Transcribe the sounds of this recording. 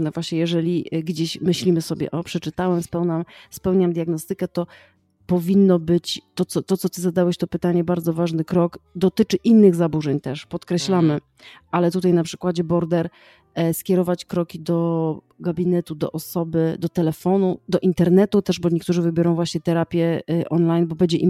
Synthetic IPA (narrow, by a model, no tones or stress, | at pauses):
nɛvwaɕɲɛjɛʐɛlʲiɡd͡ʑeɕmɘɕlʲimɘsɔbʲjɛ̰ʔɔpʂɛt͡ʂɘt̪awɛmspɛwnamspɛwɲamd̪ʲjaɡnɔst̪ɘkɛt̪ɔ | pɔvʲinːɔbɘt͡ɕt̪ɔt̪sɔt̪ɔt̪sɔt̪ɘzad̪awɛɕt̪ɔpɘt̪aɲɛbaɾd̪zɔvaʐnɘkɾɔkd̪ɔt̪ɘt͡ʂɘʔinːɘɣzabuʐɛɲt̪ɛʂpɔt̪kɾɛɕlamɘ | ʔalɛt̪ut̪ajnapʂɘ̥kwad͡ʑɛbɔɾd̪ɛɾ | skʲjɛɾɔvat͡ɕkɾɔkʲid̪ɔ | ɡabʲinɛt̪ud̪ɔ̰ʔɔsɔbɘd̪ɔt̪ɛlɛfɔnud̪ɔʔint̪ɛɾnɛt̪ut̪ɛʐbɔɲek̚t̪uʐɘvɘbʲjɔɾɔ̃w̃vwaɕɲɛt̪ɛɾapʲjɛʔɔnlajnbɔbɛɲd͡ʑɛʔim